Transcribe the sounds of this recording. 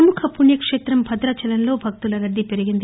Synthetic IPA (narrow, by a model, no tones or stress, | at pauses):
ɐmukʰɐpuɳjɐkʂeːt̪ɾɐmbʱɐd̪ɾɐt͡ʃɐlɐnlo̞ːbʱɐk̚t̪ulɐɡɐd̪ːipe̞ɾiɡind̪i